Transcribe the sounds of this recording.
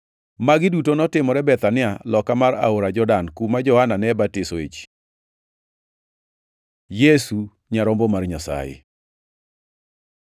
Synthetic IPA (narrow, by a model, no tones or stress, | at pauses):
maɡɪdutonɔtɪmɔɾɛbɛt̪anɪalɔkamaɾa̰oɾad͡ʒɔdankumad͡ʒɔhananɛbatɪsoḛt͡ʃ | jesu | ɲaɾɔmbɔmarɲasa̰jɪ̰